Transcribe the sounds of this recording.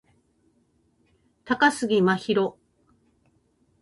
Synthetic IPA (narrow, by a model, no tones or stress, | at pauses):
t̪akasɨɡʲimaçiɾo̞